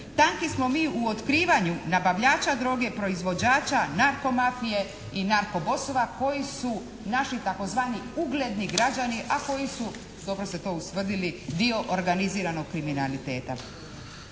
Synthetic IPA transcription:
t̪aŋkismo̞miːuot̪kɾiːʋaɲunabaʋʎaːt͡ʃad̪ɾo̞ːɡe̞pɾo̞izʋo̞d͡ʑaːt͡ɕanaɾko̞mafije̞ | inaɾko̞bo̞soʋako̞jisu | naʃit̪ako̞zʋaːniuɡled̪niɡɾad͡ʑaniʔako̞jisu | d̪o̞bɾo̞set̪o̞ːusʋr̩d̪ilid̪io̞ʔoɾɡaniziːɾano̞ɡ̚kɾiminalit̪e̞ːt̪a̰

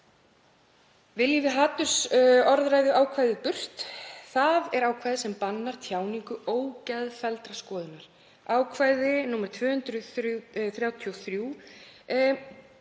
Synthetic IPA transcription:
vɪljivɪɦaːt̪ʏ̥sɔɾðɾaːjðʏʔaːwkʰvajðɪpʏr̥t̪θaðɛɾaːwkʰvajðɪsɛmpanːaɾ̥t̪ʰjaːwniŋkʏoːwcɛðfɛlt̪ɾaskɔːðʏnaɾ̥ | aːwkʰvaːjðɪnuːmɛɾ̥t̪ʰvʏːhʏnt̪ɾʏθɾjaːwt̪ʰiɔθɾjuː

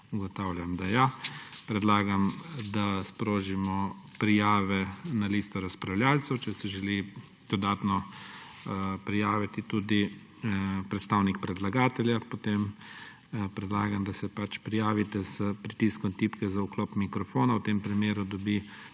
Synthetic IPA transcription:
uɡɔt̪awljamd̪ajapɾɛd̪laːɡamd̪aspɾoːʒimɔpɾijaːʋɛnaliːst̪ɔɾaspɾawljaːlt̪sɛwt͡ʃɛsɛʒɛli | d̪̥ɔd̪aːt̪nɔ | pɾijaːʋit̪it̪ud̪i | pɾɛt̪st̪aːwnik̚pɾɛd̪laɡaːt̪ɛljapɔt̪em | pɾɛd̪laːɡamd̪asɛpat͡ʃpɾijaːʋit̪ɛzpɾit̪iskɔnt̪iːpkɛzauklɔːpmikɾɔfoːnawt̪eːmpɾimeːɾud̪ɔbi

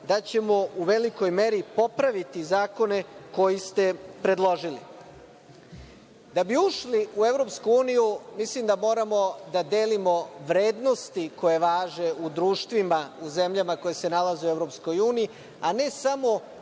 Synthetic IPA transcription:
d̪at͡ɕe̞mo̞uʋe̞liko̞jme̞ɾipo̞pɾaʋit̪izaːko̞ne̞ko̞jist̪e̞pɾe̞d̪lˠo̞ʒilḭ | d̪abiuʃliue̞ʋɾo̞pskuuːnijumislimd̪amo̞ːɾamo̞d̪ad̪e̞ːlimo̞ʋɾe̞ːd̪no̞st̪iko̞je̞ʋaːʒe̞ud̪ɾuːʃt̪ʋimauze̞mʎamako̞je̞se̞nalazeueʋɾo̞ːpsko̞juːniji | ane̞samo̞

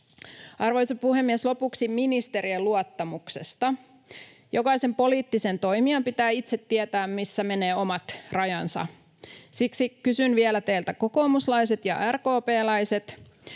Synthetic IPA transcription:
ɑrʋo̞jsɑpuhemːieslo̞puksiminist̪e̞ɾieluɑt̪ːɑmuksḛst̪ɑ | jokɑise̞mpo̞liːt̪ːise̞nt̪o̞jmiɑmpit̪æːit̪set̪ːiet̪æːmmisːæme̞ne̞ːo̞mɑt̪rɑjɑnsɑ̰ | siksikysynʋielæt̪eilt̪æko̞ko̞ːmuslɑjs̬e̞t̪jɑ̰ʔærkoːpeːlɑjse̞t̪

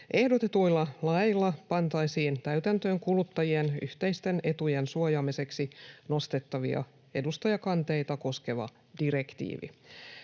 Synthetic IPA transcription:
ʔe̞hdot̪e̞t̪ujlːɑlɑjilːɑpɑnt̪ɑisiːnt̪æyt̪ænt̪øːŋkulut̪ːɑjie̞ny̰ht̪e̞jst̪e̞ne̞t̪uje̞nsuojɑːmise̞ksino̞st̪et̪ːɑʋiɑ̰ | e̞dust̪ɑjɑkɑnt̪e̞jt̪ɑko̞ske̞ʋɑ̰ | d̥iɾe̞kt̪ḭːʋḭ

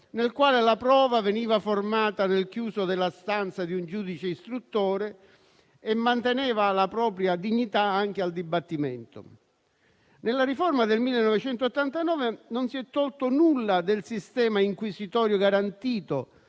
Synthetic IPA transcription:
nelkwaːlelapɾɔːvaveniːvaformaːt̪anelkjuːsod̪ɪlːast̪ant̪sad̪iund͡ʒuːd̪it͡ʃeist̪ɾut̪ːoːɾeː | mːant̪enɛːvalapɾɔːpɾjad̪iɲːit̪aaŋk̟eald̪ibat̪ːimɛnt̪o̰ | nelːariformad̪elmilːenːɔvet͡ʃɛnt̪oːt̪ːant̪anɔːvenonsiɛt̪ːɔlt̪onulːad̪elsist̪ɛːmaiŋkwisit̪ɔːɾjoɡaɾant̪iːt̪o

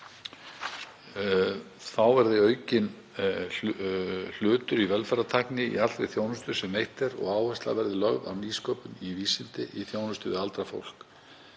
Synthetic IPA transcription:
θawvɛɾðɪœːɥcɪn | l̥ʏːt̪ʏɾivɛlfɛɾat̪ʰajhknɪḭalvɪθjoːwnʏst̪ʏɾ̥sɛmːejht̪ɛɾɔ̰ɣaːwhɛst̪la̰vɛɾðɪlœɣða̰wniːskɔːpʏniviːsɪnt̪ɪʔiθjoːwnʏst̪ʏvɪðalt̪ɾafo̰wl̥k

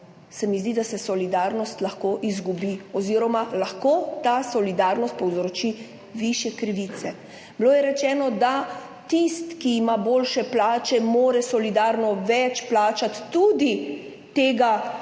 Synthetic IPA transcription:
sɛmizd̪id̪asɛsɔlid̪aɾnɔst̪laxkoːʔizɡubiɔziːɾɔmalaxkoːt̪asɔlid̪aːɾnɔst̪̚pɔwzɾot͡ʃi | ʋiʃjɛkɾiʋit̪sɛ | bloːjɛɾɛt͡ʃɛːnɔd̪a | t̪ist̪kiimaboːlʃɛplaːt͡ʃɛmoːɾɛsɔlid̪aːɾnɔʋɛt͡ʃplaːt͡ʃat̪ːud̪i | t̪eːɡa

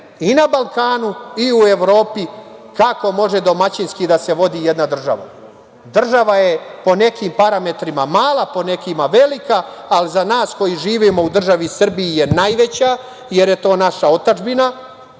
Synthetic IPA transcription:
inabalˠkaːnuiue̞ʋɾo̞ːpikako̞mo̞ʒed̪o̞mat͡ɕinskid̪ase̞ʋo̞d̪ijed̪nad̪r̩ʒa̰ʋa̰ | d̪r̩ʒaʋaje̞po̞ne̞kimpaɾame̞t̪ɾimamaːlˠapo̞ne̞kimaʋe̞likaːlizanaːsko̞jiʒiːʋimo̞ud̪r̩ʒaʋisr̩bijijenajʋe̞t͡ɕa | jeɾjet̪o̞ːnaʃao̞t̪ad͡ʒbina

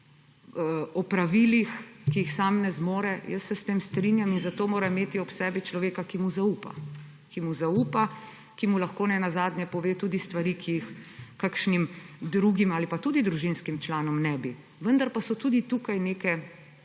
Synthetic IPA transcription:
əɔpɾaʋilixkiixsaːmnɛzmoːɾɛjəsːɛst̪eːmst̪ɾinjaminzat̪oːmoːɾaimeːt̪iɔpsɛːbit͡ʃlɔʋeːkakimuzaupa̰ | kimuzauːpa | kimulaxkoːnɛnazaːd̪njɛpɔʋeːt̪uːd̪ist̪ʋaɾikʰijːxkakʃnimd̪ɾuɡimaːlipat̪ud̪id̪ɾuʒinskimt͡ʃlaːnɔmnɛbi | ʋənd̪aɾpasɔt̪uːd̪it̪ukajneːkɛ

